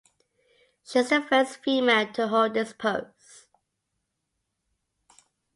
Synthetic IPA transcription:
ʃizəfɜsfiːmeɪlˠtʰəɦoʊd̚ɪspʰoʊ | s

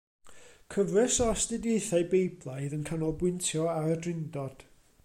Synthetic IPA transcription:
kʰəvrɛsɔastɨdjeɨθaɨbejblˠajðənkʰanɔlˠbwɪntʰjɔaɾədrɪndɔd̥

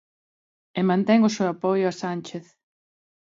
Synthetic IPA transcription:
emãnt̪ɛŋʊsewapojʊasant͡ʃeθ

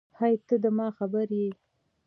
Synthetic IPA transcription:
hajt̪əd̪əmɑxabəɾje

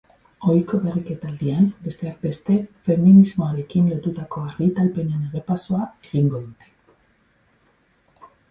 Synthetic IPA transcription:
o̞jko̞βerike̞t̪ald̪iambe̞st̪e̞ak̚be̞st̪e̞fe̞minizmo̞aɾe̞kinlo̞t̪ut̪ako̞aɾɣit̪alpe̞ne̞neɣepasoae̞ɣiŋɡo̞ðut̪e̞̥

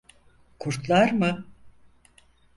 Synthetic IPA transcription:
kʰuɾt̪lˠaɾmɯ

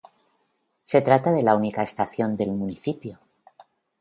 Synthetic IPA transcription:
se̞t̪ɾat̪að̞e̞launikaest̪aθjo̞nd̪e̞lmuniθipjo̞

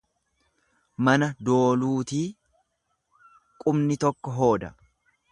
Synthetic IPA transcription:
mɐnɐd̪o̞ːluːt̪iː | kʼʊmnɪt̪ɔkːɔɦo̞ːd̪ɐ̰

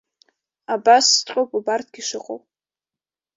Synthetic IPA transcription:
abasːtʷʼowpʼubartʰɡʲiʂɨqʼo̰wʼ

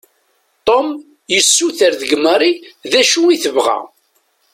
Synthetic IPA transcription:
t̪ˤom | jəsːuθəɾðəɡməɾˤiðæʃuwiθəvʁæ̰

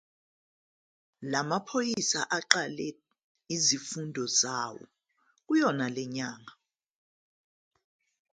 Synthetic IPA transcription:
lamapʰojisaʔaǃalɛ | izifundʱɔzaːwɔ̰ | k̬ujɔnalɛɲaːŋa

